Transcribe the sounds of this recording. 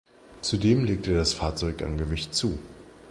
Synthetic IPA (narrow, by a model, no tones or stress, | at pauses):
t͡sudeːmleːk̚tədasfaːɐt͡sɔʏka̰nɡəvɪçtt͡suː